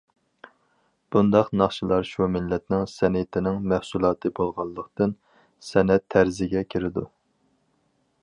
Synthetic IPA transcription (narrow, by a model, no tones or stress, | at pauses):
b̥und̪ɑqnɑχʃɨlˠɑɾʃumɪlːɛt̪nɪŋsɛnet̪ʰɪnɪŋmæhsulˠɑːt̪ʰɨbolˠʁɑlˠːəqt̪ɨn | sɛnɛt̪ʰːæɾzɪɡʲɛkʲʰiɾɪd̪u